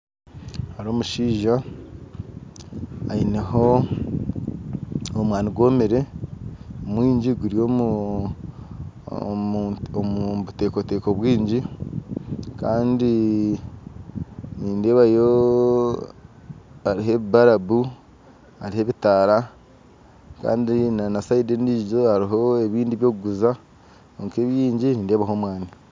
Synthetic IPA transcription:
haɾo̞ːmuʃiːʒa | ineɦo̞ | omwaːniɡwo̞ːmeɾe̞ | omwiːɲɟiɡuɾijo | omuβute̞ːko̞te̞ːko̞βwiːɲɟi | kaːndi | niːnde̞ːβajo | aɾiɦe̞βibaɾaβu | aɾihe̞βitaɾa | ka̰ːndinanasaideniːɟo̞haɾiɦo̞e̞βiːndiβjo̞ːɡuɡuza | oŋke̞ːβjiːɲɟiniːnde̞ːβaɦo̞ːmwaːni

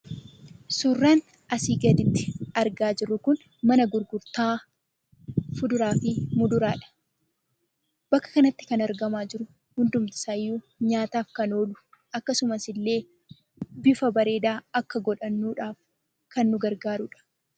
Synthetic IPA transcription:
suːrːaːn | ɐsiːɡɐd̪ɪt̪ːɪ̥ɐɾɡaːd͡ʒɪrːʊkʊn | mɐnɐɡʊɾɡʊɾt̪aː | fʊd̪ʊɾaːfɪmʊd̪ʊɾaːᶑɐ̥ | b̥ɐkːɐ̥kɐnɐt̪ːɪ̥kɐnɐɾɡɐmaːd͡ʒɪɾʊ | hʊnd̪ʊmt̪ɪ̥saːjːuː | ɲaːt̪aːfkɐno̞ːlʊ̥ | ʔɐkːɐsʊmɐsɪlːe̞ː | bɪfɐbɐɾe̞ːd̪aːɐkːɐɡɔᶑɐnːuːᶑaːf | kɐnːʊɡɐɾɡaːɾʊᶑɐ̥

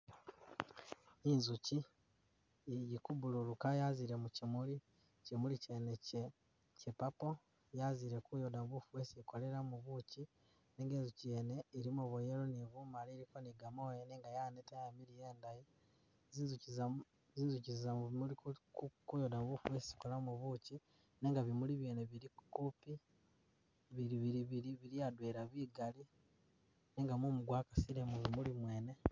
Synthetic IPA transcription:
inzuci | jikubuluɾukajaziɾe̞mucimuɾi | cimuɾicenece | cepapo̞ | jaziɾe̞kujodamuβufuwesiko̞leɾamuβuci | neːŋɡeːnzucijene̞iɾimoβojeɾoniβumaɾiɾikoniɡamojeneːŋɡajanetajamiɾijeːndaji | zizuiza | ziːnzucizzamuβiulikukujodamβufuwesisi̥kolamuβuci | ne̞ŋɡaβimuliβjeːneβiɾikupi | βiɾiβiɾiβiɾiβiɾijadweːɾaβiːɡali | neːŋɡamumuɡwakasiɾemuβimulimwe̞ːne̞

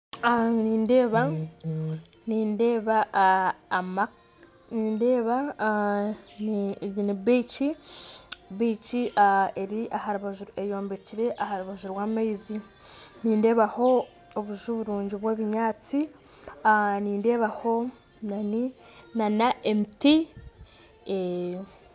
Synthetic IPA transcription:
aniːnde̞ːβa | niːnde̞ːβaː | mak | niːnde̞ːβa | nɟiniβiːci | βiːciae̞ɾiʔahaɾuβaʒuejo̞ːmbe̞ciɾe̞ʔahaɾuβaʒuɾwaːmaizi | niːnde̞ːβaho̞ː | βuʒuβuɾuːɲɟiβweːβiɲaːt͡si | niːnde̞ːβaho̞ | naninanaemiti | e

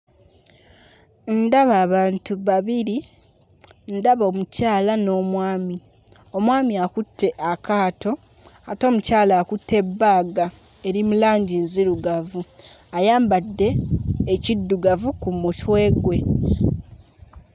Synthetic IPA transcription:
ndaβaːβaːntuβaβiɾi | ndaβo̞ːmucaːlano̞ːmwaːmi | o̞mwaːmiakutʰːe̞ʔakaːtʰo̞ | ato̞ːmucaːlakutʰːe̞bːaːɡa | e̞ɾimulaːɲɟinziɾuɡavuajaːmbadːe̞ːcidːuɡavukumutwe̞ːɡwe̞

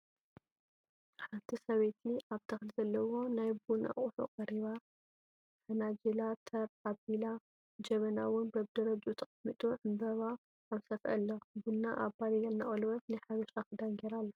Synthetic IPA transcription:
ħant̪ʰisɐβet̪iʔaβt̪ʰɐxlizɐlːɐwo̞najbuna̰χʼuħo̰qʼɐɾiβa | fɐnad͡ʒelat̪ʰɐɾabila | d͡ʒɐβɐnawʊnbɐβd̪ɐɾɐd͡ʒut̪ʰɐχʼɐmːɨt̪ʼuʕɨmbɐβa | ʔːβsɐfʔɐ̰lːobunːaʔabalijɐlnaʔʼɐlwɐt̪nɨħaβɐʃakɨd̪aŋɡeɾalːɐ

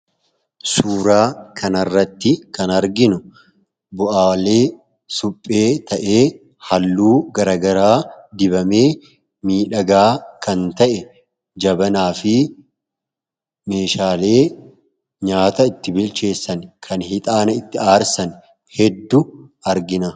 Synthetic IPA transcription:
suːɾaːkʰɐnɐrːɐt̪ːɪkɐnɐɾɡɪnʊ | bʊʔaːwle̞ː | sʊpʼːe̞ːt̪ʰɐʔe̞ː | hɐlːuːɡɐɾɐːɡɐɾaːd̪ɪbɐme̞ː | miːᶑɐɡaːkʰɐnt̪ɐʔɛ | d͡ʒɐbɐnaːfɪ | me̞ːʃaːle̞ː | ɲaːt̪ɐɪt̪ːɪbɪlt͡ʃe̞ːsːɐnkʰɐnhɪt̪ʼaːnɐɪt̪ːɪaːɾsɐn | hɛd̪ːʊ | ɐɾɡɪnɐ

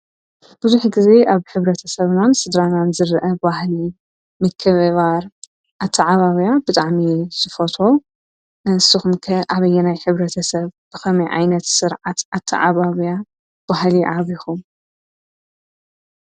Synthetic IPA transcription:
b̥ɨzuħɡɨze̞ʔaβħɨβɾɐt̪ʰɐsɐβnansɨd̪ɾananzɨɾʔɐbβahli | mɨkʰːɨββaɾ | ʔat̪ʰːaʕaβaβijabɨt̪ʼaʕmiz̥ɨfot̪ʰo̞ | ɨsɨxumkʰɐʔaβɐjːɛnajħɨβɾɐt̪ʰɐsɐβb̥ɨxɐmɐjʕa̰jnɐt̪sɨɾʕat̪ʔat̪ʰːa̰ʕaβaβja | bahliʕaβixum

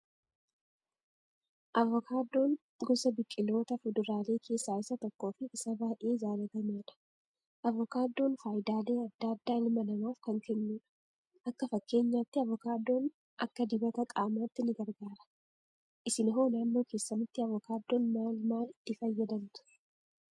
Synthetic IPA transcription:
ʔɐvɔkʰaːd̪ːo̞ːn | ɡɔsɐbɪkʼːɪlo̞ːt̪ɐfʊd̪ʊɾaːle̞ːkʰe̞ːsːaːɪsːɐt̪ɔkːo̞ːfɪʔɪsɐbaːʔe̞ːzaːlɐt̪ɐmeːᶑɐ̥ | ʔɐvɔkaːd̪ːo̞ːnfaːjd̪aːle̞ːɐd̪ːad̪ːaːlmɐnɐmaːfkɐŋkɛnːuːᶑɐ̥ | ʔɐkːɐfɐkːe̞ːɲːaːt̪ːɪɐvɔkaːd̪ːo̞ːn | ʔɐ̰kːɐd̪ɪbɐt̪ɐkʼaːmaːt̪ːɪnɪɡɐɾɡaːɾɐ̥ | ʔɪsɪnɪɦo̞ːnaːnːo̞ːke̞ːsːɐmɪt̪ːɪɐvɔkaːd̪ːo̞ːnmaːlmaːlɪt̪ːɪfɐjːɐd̪ɐnt̪ʊ̥

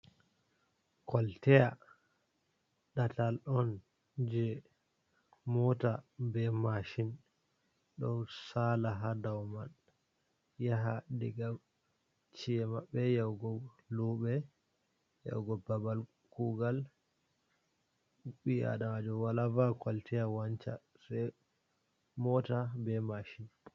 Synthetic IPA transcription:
kɔltɛja | ɗatalɗɔn | d͡ʒɛ | mɔtabɛmaʃin | ɗɔ̰nsalaɦadawman | jaɦadɛɡa | t͡ʃiɛmaɓːɛjawɡɔ | luɓɛ | ja̰wɡɔbabal | kuɡal | ɓia̰ɗawad͡ʒɔwalavakwalitɛjawaɲt͡ʃa̰ | sɛ | mɔtabɛmaʃin

